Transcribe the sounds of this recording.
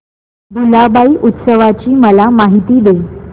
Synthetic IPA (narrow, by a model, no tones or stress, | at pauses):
d̪ʱulabaiʔut̪səʋat͡ɕiːməlamaɦit̪iːd̪e